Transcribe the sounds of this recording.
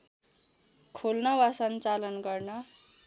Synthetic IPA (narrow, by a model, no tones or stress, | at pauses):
kʰolnʌwasʌnt͡salʌnɡʌrnʌ